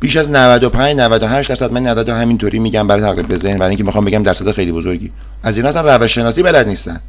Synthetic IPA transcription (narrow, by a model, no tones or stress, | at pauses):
b̥iːʃæznævæd̪opʰæɲd͡ʒnævæd̪oɦæʃt̪d̪æɾsæd̪mænːæzæd̪ɦæmint̪ʰoːɾʔiːmiːɟæmbæɾɒːjt̪ʰæɣɾiːmbezehnbæɾɔiŋcʰemixɒːmbeɟæmd̪æɾsæd̪exejliːbozoɾɟiː | ʔæziːnɔːæsænrævæʃʃːe̞nɒːsiːbælæd̪niːst̪æn